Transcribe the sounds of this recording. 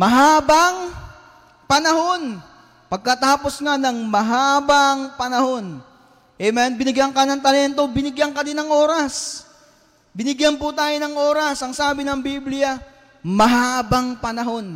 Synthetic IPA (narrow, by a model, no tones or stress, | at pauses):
mɐɦaːbɐŋ | pɐnɐho̞n | pɐɡ̚kɐt̪aːpo̞sŋanɐŋmɐɦaːbɐŋpɐnɐho̞n | ʔɛmɛnbɪnɪɡjaŋkɐnɐŋt̪ɐlɛnt̪o̞bɪnɪɡjaŋkɐnɪnɐŋʔo̞ːɾɐs | bɪnɪɡjanpʊt̪aːjonɐŋʔo̞ːɾɐsʔɐŋsaːbɪnɐŋbiːblɪjɐ | mɐɦaːbɐŋpɐnɐɦo̞n